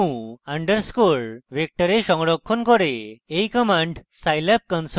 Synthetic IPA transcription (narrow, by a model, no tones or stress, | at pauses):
ũaɳɖəɾskoɭʋek̚ʈəɾeɕɔ̃ŋɡɽɔkʰːɔnkɔɾeejkəmãɳɖsajlap̚kə̃ns